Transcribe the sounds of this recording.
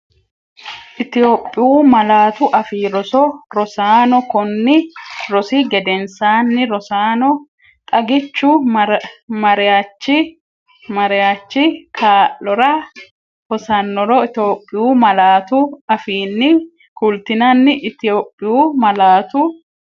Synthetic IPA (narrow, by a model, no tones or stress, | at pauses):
ʔɪt̪ɪjoːpʼːɪjuːmɐlaːt̪ʊʔɐfiːɾɔsɔɾɔsaːnɔkɔnːɪɾɔsɪɡɛd̪ɛnsaːnːɪɾɔsaːnɔ | t̪ʼɐɡɪt͡ʃːʊ | mɐɾɛjaːt͡ʃːɪ | mɐɾɛjaːt͡ʃːɪkʰaːʔːɔɾɐ | hɔsɐnːɔɾɔɪt̪oːpʼːɪjuːmɐlaːt̪ʊɐfiːnːɪ | kʊlt̪ɪnɐnːɪʔɪt̪ɪoːpʼːɪjuːmɐlaːt̪ʊ